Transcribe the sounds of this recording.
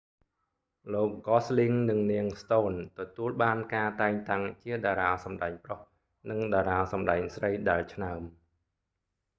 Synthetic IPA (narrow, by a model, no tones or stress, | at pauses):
loːk̚ɡɑsliŋnɨŋniəŋst̪oːnt̪ɔt̪uəlɓaːnkaːt̪aɛŋt̪aŋt͡ɕiəɗaːɾaːsɑmɗaɛŋproh | nɨŋɗaːɾaːsɑmɗaɛŋsrəjɗaɛlt͡ɕʰnaəm